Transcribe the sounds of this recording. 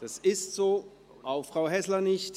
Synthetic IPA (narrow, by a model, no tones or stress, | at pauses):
d̥asɪstz̥oː | ʔaʊffʁ̥aʊɦɛslɐnɪçt